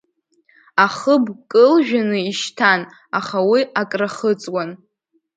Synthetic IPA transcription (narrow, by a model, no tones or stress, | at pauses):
aχəbkʼɨlʒᶣanɨiʃtʰan | aχawiakʼraχət͡sʼwan